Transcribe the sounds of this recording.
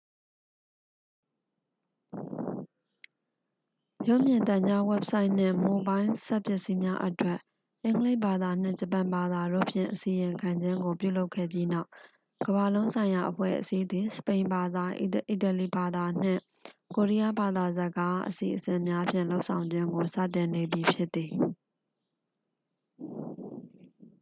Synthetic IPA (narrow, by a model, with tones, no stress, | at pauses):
jo˦˨mjɪ̃˨nt̪ã˨ɲd͡ʑa˦wɛ˦p̚sa˦ɪʔn̥ɪ̰̃˦˨mo˨bã˦ɪ̃sɛ˦ʔpjɛ˦ʔsi˦mja˦ʔətwɛ˦˨ʔ | ʔɪ̃˦ŋɡəle˦ɪʔba˨d̪a˨n̥ɪ̰̃˦˨d͡ʑə˨pã˨mba˨d̪a˨do̰˦˨pʰjɪ̰̃˦˨ʔəsi˨jɪ̃˨ŋkʰã˨ɲd͡ʑɪ̃˦ŋɡo˨pjṵ˦˨lo˦ʊkʰːɛ̰˦˨bji˦na˦ʊ | ɡ̥əba˨lõ˦ʊ̃sʰã˨ɪ̃ja˨ʔəpʰwɛ̰˦˨ʔəsi˦d̪ði˨sə̥pẽ˨ɪ̃mba˨d̪a˨ʔʔi˨tə˨li˨ba˨d̪a˨n̥ɪ̰̃˦˨ | ko˨ɹi˦ja˦ba˨d̪a˨zə˨ɡa˦ʔə̰sḭ˨ʔəsɪ̃˨ʔmja˦pʰjɪ̰̃˦˨lo˦ʊʔsʰã˨ʊ̃ɲd͡ʑɪ̃˦ŋɡo˨sä̰˦˨tɪ̃˨ne˨bji˨pʰjɪ˦t̪ːi˨